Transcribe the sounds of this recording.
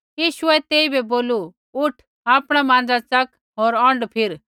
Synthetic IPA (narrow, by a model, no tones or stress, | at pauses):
jiːʃʊɛt̪eːibɛboːlu | ʊʈʰ | aːpɽ̃amãːn̆d͡zat͡sɐk | ɦoːɾɔ̃ɳɖpʰɪɾ